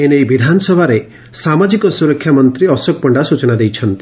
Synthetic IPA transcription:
enejbid̪ʱanɔsɔbʱaɾe | samad͡ʒikɔsuɾɔkʰːjamɔnt̪ɾiɔsɔk̚pɔɳɖasut͡ʃɔnad̪ejt͡ʃʰɔnt̪i̥

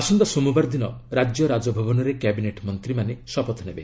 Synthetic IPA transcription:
asɔnd̪ɔsɔmubaɾd̪inɔɾad͡ʒjɔɾad͡ʒɔbʱɔbɔnɔɾekabineʈmɔnt̪ɾimanesɔpɔt̪ʰɔnebe

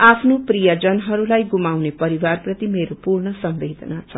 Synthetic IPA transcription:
apʰnoprijʌd͡zʌnɦʌɾulajɡumawnepʌɾiwarprʌt̪imeɾopurɳʌsʌmbed̪ʱʌnat͡sʰʌ

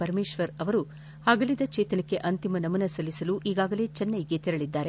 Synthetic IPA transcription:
pɐɾɐmeːʃʋɐɾɐʋɐɾu | aːɡɐlid̪ɐt͡ʃeːt̪ɐnɐkːe̞ʔɐnt̪imɐnɐmɐnɐsɐlːisɐluʔiːɡaːɡɐle̞ːt͡ʃɐnːɐjiɡe̞t̪iɾɐɭid̪ːaːɾe

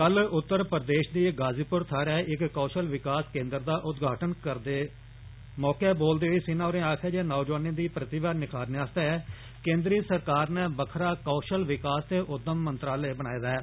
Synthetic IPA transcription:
kəlʊt̪ːəɾpəɾd̪eːʃd̪iːɡaːziːpʊɾt̪ʰaːɾɛːʔɪkːoːʃəlʋɪkaːskẽːnd̪əɾd̪aːʔʊd̪ɡʱaːʈənkəɾd̪eː | mɔːkɛːboːld̪eːiːsɪnaːʊɾẽːaːkʰɛːd͡ʒeːnoːd͡ʒaːnĩːd̪iːpɾət̪ɪʋaːnɪkʰaːɾneaːst̪eːɛː | kẽːnd̪ɾiːsəɾkaːɾnẽːbəkʰɾaːkoːʃəlʋɪkaːst̪eːʔʊd̪ːəmːənt̪ɾaːleːbəɽ̃aːed̪aɛː

